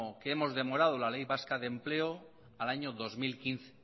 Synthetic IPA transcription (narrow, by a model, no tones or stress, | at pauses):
okeemo̞zðe̞mo̞ɾað̞olalejβaskaðemple̞o | alaɲoðo̞zmilkinθe